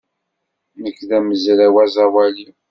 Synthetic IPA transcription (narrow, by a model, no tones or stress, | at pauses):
nəkːðæməzɾæwæzˤɑwæli